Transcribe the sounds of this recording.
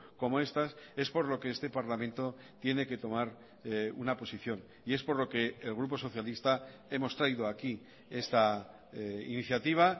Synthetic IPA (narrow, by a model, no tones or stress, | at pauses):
ko̞moe̞st̪ase̞spo̞ɾlo̞ke̞est̪e̞paɾlamẽ̞nt̪o̞ | t̪je̞ne̞ke̞t̪o̞maɾ | unapo̞siθjo̞n | ie̞spo̞ɾlo̞ke̞ːlɣɾupo̞so̞θjalist̪ae̞mo̞st̪ɾaiðo̞aki | e̞st̪a | ḭniθjat̪iβ̞a